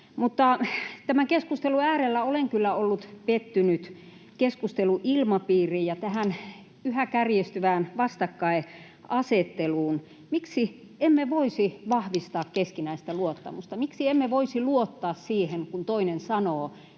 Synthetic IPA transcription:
mut̪ːɑt̪æmækeskust̪eluæːrelːæoleŋkylːæolːut̪pet̪ːynyt̪ | keskust̪eluʔilmɑpiːrijjɑt̪æhæn | yhækærjest̪yʋæːnʋɑst̪ɑkːɑe | ɑset̪ːeluːn | miksi | emːeʋoisiʋɑhʋist̪ɑːkkeskinæist̪æluot̪ːɑ̰must̪ɑmiksiemːeʋoisiluot̪ːɑːssiːheŋkunt̪oinensɑnoː

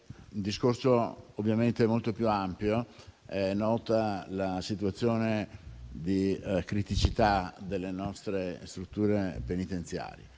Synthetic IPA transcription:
und̪iskorsoovːjament̪emolt̪opjuampjoɛnːɔːt̪alasit̪uat̪sːjoːned̪ikɾit̪it͡ʃit̪ad̪elːenɔst̪ɾest̪ɾut̪ːuːɾepenit̪ent̪sja̰ːɾjḛ

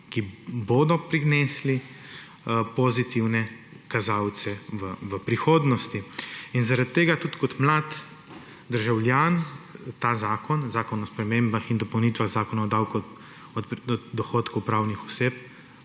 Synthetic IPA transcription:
kiboːd̪ɔpɾiɡneːsli | pɔzit̪iwnɛkazaw̪sɛʋəʋəpɾixoːd̪nɔst̪iinzaɾat̪ːeːɡat̪ut̪kɔt̪mlaːt̪ | d̪əɾʒawljaːnt̪aːzaːkɔnzaːkɔnɔspɾɛmembaxind̪ɔpɐwnit̪ʋaɣzaːkɔnaɔd̪awku | ɔd̪ɔxoːt̪kupɾawnixɔseːp

